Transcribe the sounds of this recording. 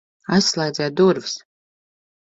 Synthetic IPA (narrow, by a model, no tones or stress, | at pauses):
aslˠɛjd̪zɛd̪uɾvs